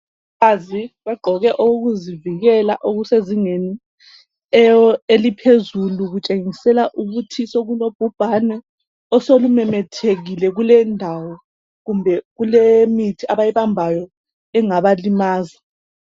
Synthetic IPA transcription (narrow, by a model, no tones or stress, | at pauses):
βaziβɛɡ͡ǃʱɔɣɛʔoɣuziviɣɛlaʔoɣuseziŋeni | ɛelipʰezuluɣut͡ʃʼeŋisɛlaʔuɣutʰisoɣulob̥ʱub̥ʱanɛ | ɔsolumɛmɛtʰeɣilɛɣulɛndʱawɔ | ɣumbʱɛɣulemitʰiaβajiβambʱajɔ | ɛŋaβalimaːza